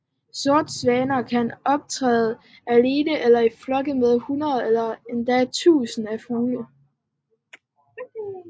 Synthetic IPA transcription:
sɔɐd̥sʋɛːnɐkʰænɒ̽b̥̚t͡sʰʁɛ̰ːð̩ˠ | æle̝ːnəʔelɐiflɒ̽ɡ̥əmeðˠhunɐðˠelɐend̥æt͡sʰṵːsn̩æfuːlə

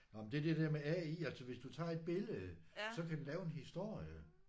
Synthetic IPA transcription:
ɒmnd̥e̝æɐd̥ed̥ɛɐ̰meæiælsɒʋe̝sd̥ut͡sʰɑ̰̈ːe̝d̥̚b̥e̝ləð̩ˠsɒ̽kʰæd̥ulɛːʊe̝nɦisd̥o̝ɐ̰jə

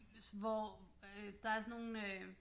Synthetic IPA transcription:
sʋɒød̥ɑ̈æɐsɔno̝ːn̩ø

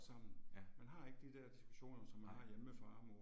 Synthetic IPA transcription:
sɑ̈m̰n̩mænɦɑ̈e̝ɡ̥əd̥id̥æɐd̥isɡ̥u̥ɕo̝̰ːnɐsɒ̽mːænhɑ̈jeməfɒɑmo

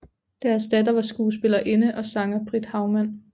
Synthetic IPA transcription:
d̥æɐsd̥æd̥ɐʋɑ̈sɡ̥uːsb̥e̝lɐʔe̝nəʔɒ̽sɑ̈ŋɐb̥ʰʁid̥hɑ̈ʊmæn̰

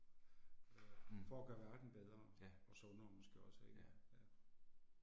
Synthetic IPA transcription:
fɒɡ̥ɶɐʋæɐd̥n̩b̥eð̞ˠʁɐɒ̽sɔ̽nɐːmɒ̽sɡ̥e̝̰ːɒ̽seɡjæ

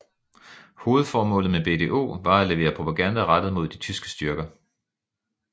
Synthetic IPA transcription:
ho̝ːð̩ˠfɒːmɔ̰̽ːlð̩ˠmeb̥e̝t͡sʰe̝̰ʔo̝̰ːʋɑ̈æle̝ʋe̝̰ːɐpʰʁo̝pʰæɡ̥ænd̥æʁad̥ð̩ˠmo̝ð̞̰ˠd̥it͡sʰysɡ̥ə̥sd̥yɐɡ̥ɐ

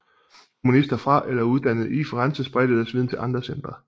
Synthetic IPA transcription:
kʰomunisd̥ɐfʁɑ̈ʔelɐuð̞ˠd̥ænð̞̩ˠifɒʁɑnsəsb̥ʁɛd̥ð̩d̥ˠæsʋiðˠnt͡sʰe̝lʔɑ̈nd̥ʁɐsen̰d̥ʁɐ

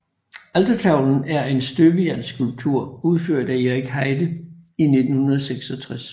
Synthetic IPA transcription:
æld̥ɐt͡sʰɑ̈ʊ̰ln̩æɐe̝nsd̥øbəjænsɡ̥ulb̥̚t͡sʰuɐ̰uð̞ˠføɐ̰d̥æe̝ʁiɡ̥hɑɪd̥əine̝d̥n̩hunɐð̞ˠseɡ̥sɒ̽t͡sʰʁas

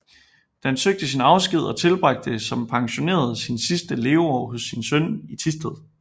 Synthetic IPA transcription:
d̥ænsøɡ̥̚d̥əsinɑ̈ʊsɡ̥ið̞̰ˠɒ̽t͡sʰe̝lb̥ʁɑ̈ɡ̥̚d̥əsɒ̽mpʰɑ̈ŋɕo̝ne̝̰ːɐð̞̩ˠsinsisd̥əle̝ːʊɒ̰ːɦosːinsœnit͡sʰisd̥ʰeð̰ˠ

